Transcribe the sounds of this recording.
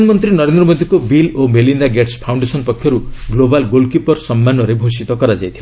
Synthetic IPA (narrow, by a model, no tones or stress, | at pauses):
nmɔnt̪ɾinɔɾend̪ɾɔmod̪ʱikobilomelind̪aɡeʈspʰawɳɖesɔnpɔkʰːjɔɾuɡlobalɡolkjupɔɾsɔmːanɔɾebʱosit̪ɔkɔɾad͡ʒajt̪ʰila